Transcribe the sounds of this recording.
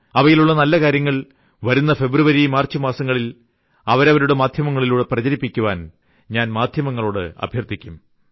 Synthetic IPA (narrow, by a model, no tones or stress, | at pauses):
ɐʋɐjiluɭːɐnɐlːɐkaːɾjɐŋːɐɭ | ʋɐɾunːɐfe̞bruʋɐɾimaːrt͡ɕːɨmaːsɐŋːɐɭil | ɐʋɐɾɐʋɐɾuɽe̞maːd̪ʱjɐmɐŋːɐɭiluːɽe̞prɐt͡ɕɐɾipːikʲːuʋaːn | ɲaːnmaːd̪ʱjɐmɐŋːɐɭo̞ːɽɨɐ̰bʱjɐrt̪ʰːikʲːum